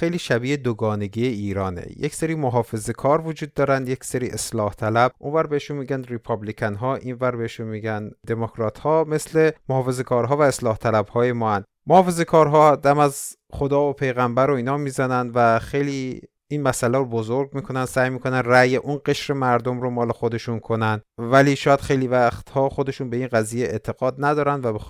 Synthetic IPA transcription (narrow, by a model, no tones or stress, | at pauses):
xejliːʃæbiːed̪oɡɒːne̞ɟiːeiːɾɒːnḛjecseɾiːmoɦɒːfe̞ze̞kʰɒːɾvod͡ʒuːd̪̚ːɒːɾænd̪je̞cseɾiːʔeslɒːht̪ʰælæb̚ʔunvæɾbeheʃunmiːɡænd̪ɾipʰɒblikʰænɦɒːʔiːnvæɾbeheʃunmiːɟænd̪e̞mokʰɾɒːt̪ʰhɒːme̞sle̞mohɒːfe̞ze̞kʰɒːɾɦɒːvæeslɒːht̪ʰælæbhɒːje̞mɒːæn | mohɒːfe̞ze̞kʰɒːɾɦɒːd̪æmæz | χod̪ɒːvopʰe̞jɣæmbæɾoiːnhɒːmiːzænænd̪væxe̞jliː | inmæsælæɾobozo̞ɾɡmiːkʰo̞nænd̪sæːjmiːkʰo̞nænræjeʔunɡe̞ʃɾe̞mæɾd̪o̞mɾomɒːle̞xo̞d̪e̞ʃunkʰo̞nænd̪væliːʃɒːjæd̪̥xejlivæxt̪hɒːχo̞d̪e̞ʃunbe̞iːnɢæziːjeʔet̪ʰe̞ɣ̥ɒːd̪næd̪ɒːɾænd̪væbe